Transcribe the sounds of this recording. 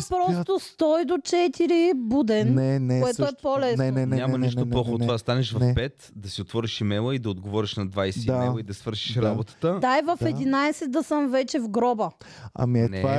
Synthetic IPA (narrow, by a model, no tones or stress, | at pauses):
pɾɔt̪ost̪ɔjd̪ot͡ʃɛt̪iɾibud̪ɛnɛnkoɛɛt̪oɛpolɛsnɛɲʲammɐniʃt̪olˠɔxot̪ovad̪ɐst̪anɛʃvɐfpɛt̪d̪ɐsiot̪vɔɾiʃimɛlˠəid̪ɐod̪ɡovɔɾiʃnɐd̪vajsɛimɛjˠəid̪ɐsvɤɾʃi̥ʃɾabot̪ə̥t̪əd̪ajvɐfɛd̪inajsɛt̪̚d̪ɐsəmvɛt͡ʃɛvɡɾɔbə | ɐ̰minɛa